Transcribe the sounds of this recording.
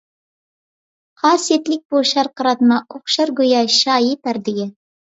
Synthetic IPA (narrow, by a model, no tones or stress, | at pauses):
qʰɑːsjet̪lɪk̚ʲboʃɑɾqəɾɑt̪mɑʔoχʃɑɾɡojɑʃɑːjipæɾd̪ɪɡʲɪ